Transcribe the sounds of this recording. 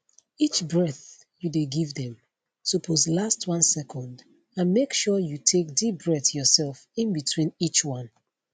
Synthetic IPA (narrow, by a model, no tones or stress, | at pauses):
it͡ʃbɹɛθ | judeɡivðɛ̃m | tupʰozlastʰwʌ̃nsɛkʰɔ̃nd | ãnmekʃɔjutʰek̚dip̚bɹɛθjɔsɛlˠfĩnbitʰwĩnit͡ʃwʌ̃n